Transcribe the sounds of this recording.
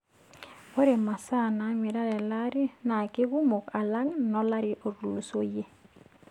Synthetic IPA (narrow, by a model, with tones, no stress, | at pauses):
o˦ɾe˨ma˨sa˦˨na˨mɪ˨ɾa˦ɾɛ˨la˦ɾi˦na˨kɪ˦ɡu˦mo˨ka˨la˦ŋnɔ˦la˦ɾɪ˦ʔo˨ɾu˨lu˨so˦je˦